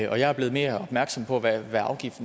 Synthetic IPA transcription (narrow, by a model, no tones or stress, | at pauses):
ʔɒ̽jɑ̈æɐb̥leð̩ˠme̝ːɐɒ̽b̥mæɐɡ̥sɒ̽mpʰɒ̽ʋæʋæɑ̈ʊɡ̥ifd̥n̩